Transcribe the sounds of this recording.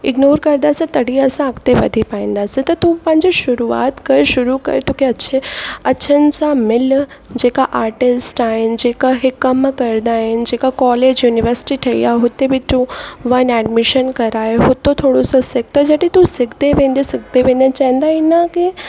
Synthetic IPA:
ɪɡnoːɾkəɾd̪asẽt̪əɽiəsãakt̪eʋə̰d̪ʱipaĩnd̪aset̪ɔt̪ũpə̃nd͡ʒeʃʊɾua̰ːt̪kəɾʃʊɾukə̰ɾt̪ukeətːʃʰeətːʃʰənsamɪl | d͡ʒekaʔaːɾʈɪsʈand͡ʒekaɦekəmkəɾd̪aend͡ʒekakɔːled͡ʒjuniʋəɾsɪ̥ʈiʈʰɐḭjaɦot̪ːebʱit̪ũʋɐnɛɖmɪʃənkəɾaeɦot̪ːot̪ʰoɽososɪk̚t̪ad͡ʒəʈit̪ũsɪɡd̪eʋẽnd̪esɪɡ̚d̪eʋẽnet͡ʃɛ̃nd̪ainake

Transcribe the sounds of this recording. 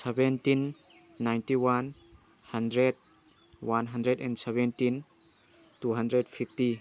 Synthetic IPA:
sɛbɛntinː | ajntiwan | handɾed̚ | wanɦandɾedɛ̰̃ndsɛbɛntin | tuɦandɾedpʰipti

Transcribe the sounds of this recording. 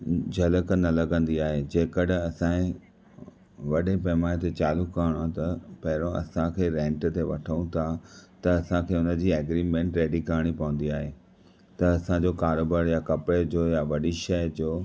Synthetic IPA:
d͡ʑʱɐləknɐlɐɡə̃nd̪iaːɦed͡ʑeːkəɗɐsãẽ | ʋɐɗẽpɐɦmaːet̪et͡ɕaːlukaːɽ̃oãt̪ɐpɐɦɪɾõɐ̰sãkʰeːɾẽːɳʈt̪eʋɐʈʰəũt̪ʰat̪ɐːsãkʰeːʊnə̆d͡ʑiːɐɡɾiːmẽːɳʈɾeːɖikaːɽ̃ipɐʋə̃n̆d̪iaːɦeː | t̪ɐɐsãd͡ʑoːkaːɾoːbaːɾjakɐpɽed͡ʑoːjaʋɐɗiʃɐjəd͡ʑoː

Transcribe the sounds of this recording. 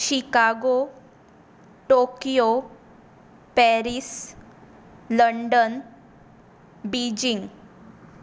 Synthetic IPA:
ɕikaɡo | ʈokijo | pɛɾis | ləɳɖən | bid͡ʑiŋ

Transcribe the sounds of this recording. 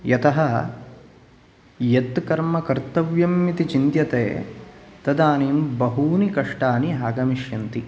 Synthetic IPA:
jɐt̪ɐɦɐ | jɐt̪kɐɾmɐkɐɾt̪ɐʋjɐmjit̪it͡ʃint̪jɐt̪eːt̪ɐd̪aːnimbɐɦuːnikɐʂʈaːniɦaːɡɐmiʃjɐnt̪i

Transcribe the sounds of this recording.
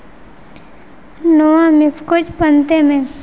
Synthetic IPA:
nowãmɪskot͡ʃpənt̪emẽ

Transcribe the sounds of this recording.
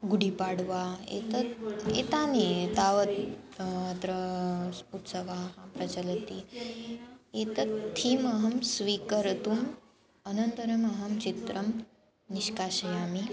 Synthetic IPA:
ɡuɽipaɽʋaḛt̪əet̪aned̪aʋət̪mat̪ɾə | ut̪səʋaɦãpɾɐt͡ɕələt̪i | et̪ət̪ʰːiːməɦəmsʋikəɾt̪um | ənənt̪əɾəməɦəmt͡ɕit̪ɾəm | niɕkaɕəjami

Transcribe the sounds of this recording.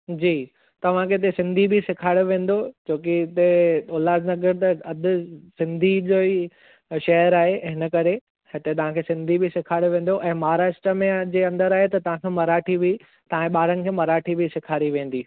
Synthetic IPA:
d͡ʑiː | t̪ɐʋ̤ãkʰeɪt̪̬esɪ̃nd̪ʱibʱisɪkʰaːɽjoʋẽːn̆d̪od͡ʑoːkiɪt̪eoːlaːznɐɡəɾt̪ɐɐd̪ʊ̆sɪ̃nd̪ʱid͡ʑoːi | ʃɐəɾaːɦeʔɦɪnə̆kɐɾe | hɪt̪et̪ɐʋ̤ãkʰeːsɪ̃nd̪ʱibʱɪsɪkʰaːɽjoʋẽːn̆d̪oʔɛ̃ːmaːɦɾaːʃʈɾəmẽd͡ʑeːɐ̃nd̪əɾaːɦet̪ɐt̪ɐʋ̤ãkʰeːmɐɾaːʈʰibʱi | t̪ɐ̤ãeɓaːɾənɪ̆kʰeːmɐɾaːʈʰibʱisɪkʰaːɾiʋẽːn̆d̪iː

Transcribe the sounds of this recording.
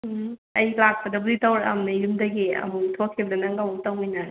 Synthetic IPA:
ɐjlak̚pɐdɐblitawɾɐ̰mnɐjumdɐɡiɐ̰muŋtʰokʰːibdɐnɐŋɡawŋtawmɯjnaɾ

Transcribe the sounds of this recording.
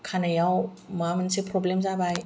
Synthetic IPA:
kʰanajaw | mamɯnsipʰɾɔblemzabaj

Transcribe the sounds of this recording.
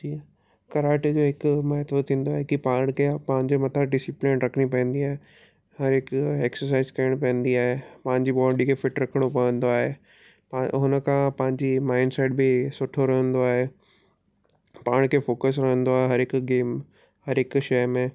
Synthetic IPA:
iː | kɐɾaːʈid͡ʑoːɦɪkmaːt̪ʋot̪ʰĩːn̆d̪oaːɦekipaːɾɽ̃kʰepɐ̃ɦɪ̃ɲd͡ʑomɐt̪ʰaɖɪsiplɪ̃nɾɐkʰəɽ̃ipɐ̃ə̃n̆d̪iaːɦe | ɦɐɾɪkeːksəɾs̬aːɪzkɐɾəɽ̃pɐ̃ə̃n̆d̪iaːɦepɐ̃ɦɪ̃ɲd͡ʑiɓɔːɖikʰefɪʈɾɐkʰəɽ̃opɐʋə̃nd̪oaːɦe | ɦʊnəkʰãpɐ̃ɦɪ̃ɲd͡ʑimaːɪnɖseːʈbɪsʊʈʰoɾɐɦə̃nd̪oaːɦeː | paːɾɽ̃kʰeːfoːkəs̬ɾɐɦə̃nd̪oaːɦeɦɐɾɪkɡeːm | hɐɾɦɪkʃɐjmẽː

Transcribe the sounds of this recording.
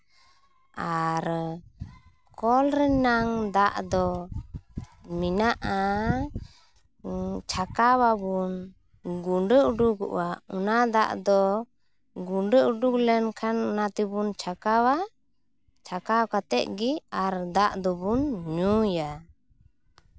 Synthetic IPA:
aɾ | kɔlɾɛnaŋd̪aʔd̪ɔ | minaʔa | t͡ʃʰakawabun | ɡuɳɖəʔuɖuɡɔ̰ʔwaunad̪a̰ʔd̪ɔ | ɡuɳɖəʔuɖuklɛnkʰanːat̪ibunt͡ʃʰakawa | t͡ʃʰakawkat̪ɛʔ̪̚ɡiaɾd̪aʔd̪ɔbunɲuja

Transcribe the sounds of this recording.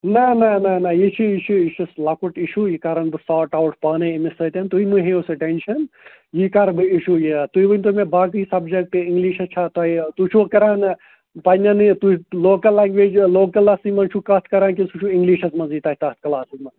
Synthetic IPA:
nɐnɐnɐnɐjit͡ʃʰiiʃʰuiʃuslɐkuʈiʃuːjikaɾɐnbɨsaːʈawʈpaːnɐimisɐt̪ʲɐnt̪uimɨɦẽosɨʈenʃɐn | jikaɾbɨiʃuːjit̪uibɐnʲt̪umebaːk̬ɨisɐbd͡ʒek̚ʈɨiŋɡliːʃɐt͡ʃʰat̪ɐit̪ut͡ʃʰukɐɾaːn | pɐnʲɐnɨt̪uloːkɐlːaːŋɡʋeːd͡ʒloːkɐlːasimɐnt͡ʃʰukɐt̪ʰkɐɾaːnkisut͡ʃʰuiŋɡliːʃɐsmɐnzit̪ɐːɦit̪ɐt̪̚ʰkɐlaːsizmɐn

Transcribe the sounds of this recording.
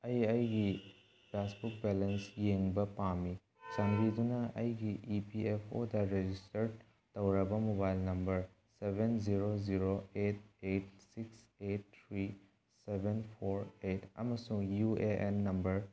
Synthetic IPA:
ɐjɐjɡi | pʰasbuk̚belensjeŋbɐpami | t͡ʃɐnɡidunɐʔɐjɡiʔipiepʰodɐɾed͡ʒistɐɾ | tɐwɾɐbɐmobajlnɐmbɐɾ | sebʱenziɾoziɾoet̚et̚siks | et̚t̪ʰɾi | sebʱenpʰoɾetɐ̰mɐsuŋjueʔenːɐmbɐɾ

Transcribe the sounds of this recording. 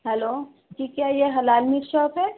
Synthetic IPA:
ɦɛloː | ʈʰiːkɛjeɦɐlaːlmiʈʃɔːpɦɛ

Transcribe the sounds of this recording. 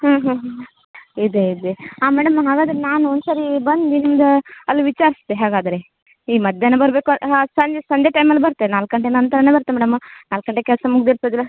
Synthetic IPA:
ɦɐːɦɐ̃ɦ | id̪eid̪eaːmɛːɽɐmɦaːɡaːd̪ɐɾenaːnuond̪saːɾibɐnd̪d̪inimd̪ɐɐlːiʋit͡ʃaːɾist̪eɦaːɡaːd̪ɐɾe | iːmɐd̪jɐnːebɐɾbe̞ːkusɐɲd͡ʒesɐɲd͡ʒeʈɐjmɐlːibɐɾt̪enaːlkɡɐɳʈenɐnt̪ɐɾɐneːbɐɾt̪ːemɛːɽɐmnaːlkːɐɳʈːekɛlsɐmuɡ̚d̪elsod̪ilːɐ

